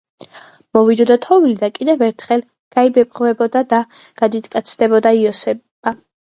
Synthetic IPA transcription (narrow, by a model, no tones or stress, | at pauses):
mɔvid̪ɔd̪at̪ʰɔvilid̪akʼid̪ɛvɛɾt̪ʰχɛlˠ | ɡ̥aibɛpʼʁvɛbɔd̪ad̪a | ɡ̥ad̪it̪ʼkʼat̪sʰd̪ɛbɔd̪aiɔsɛba